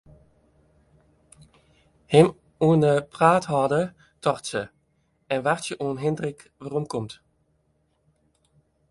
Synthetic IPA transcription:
hɪm | uənəpraːthɔdə | tʰɔrtsə | ɛnʋaʁtjəʔuənɦɪndrɪk | ʋarɔmkɔmt

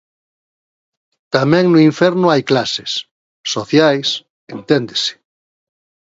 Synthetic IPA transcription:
t̪amɛ̃ŋnʊiɱfɛɾnʊajklasesː | oθjajs | ent̪end̪esɪ̥

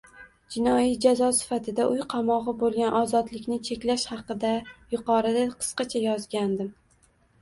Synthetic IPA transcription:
d͡ʒɪnɒjid͡ʒazɒsɪ̥fat̪ʰɪd̪aʔʊjqʰɑmɒʁɨbolˠɡʲanʔɒzɒd̪lɪkʲnɪt͡ʃʰe̞kʲlaʃhɑqɨd̪ajʊqɒɾɪd̪aqʰɨ̥sqɑt͡ʃʰajɒzɡʲand̪ɪm

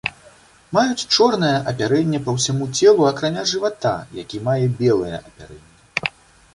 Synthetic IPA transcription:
majut͡sʲt͡ʂɔrnɐjɐʔɐpʲaɾɛnʲːɛpɐwsʲamut͡sʲɛlˠuɐkɾanʲaʐɨvat̪a̰ja̰kʲimajɛbʲɛlˠɨjɛ̰ʔɐpʲa̰ɾɛnʲːɛ

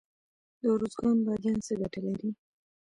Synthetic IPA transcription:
d̪əʊɾozɡɑnbad̪jɑnsəɡaʈalaɾi

